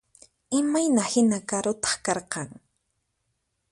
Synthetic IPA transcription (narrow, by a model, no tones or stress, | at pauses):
ɪmajnahɪnakaɾʊt̪ɑ̥χkɑɾqɑŋ